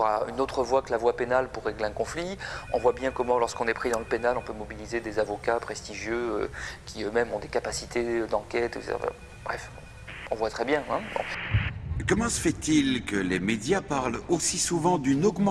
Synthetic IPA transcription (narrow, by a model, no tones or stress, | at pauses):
əʁaynot̪χəvwakəlavwapenalpuʁːeɡleɛ̃kɔ̃fliɔ̰̃vwabjɛ̃kɔmɑ̃lɔʁskɔ̃nɛpχid̪ɑ̃ləpenalɔ̃pømɔbilized̪ezavɔkapχɛst̪iʒjøø̰kʲiømɛmɔ̃d̪ekapasit̪ʰed̪ɑ̃kʲɛt̪ɛksetḛɑ̰fɛ̰ | bʁɛ̰f | ɔ̃vwat̪χɛbjɛ̃ɛ̃bɔ̰̃ | kɔmɑ̃səfɛt̪ilkəlemed̪japaʁlosisuvɑ̃d̪ynɔɡmɑ̃